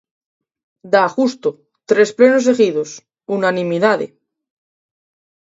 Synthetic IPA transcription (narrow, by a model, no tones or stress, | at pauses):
d̪aɣust̪o | t̪ɾesplenoseɣiðos | unanĩmiðaðḛ